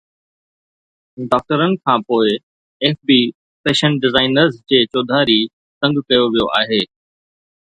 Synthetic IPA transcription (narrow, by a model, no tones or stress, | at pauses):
ɖɔːk̚ʈəɾənɪ̆kʰãːpoːɪ | eːfbiː | peːʃə̃ɳʈɖɪzaːɪnəɾzd͡ʑeːt͡ɕoːd̪ʱaːɾi | sɐ̃ŋɡkɐjoʋijoʔaːɦeː